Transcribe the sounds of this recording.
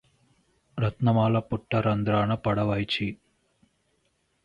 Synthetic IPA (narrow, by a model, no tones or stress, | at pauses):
ɾɐt̪nɐmaːlɐpuʈːɐɾɐnd̪ɾaːnɐpɐɽɐʋɐjt͡ʃi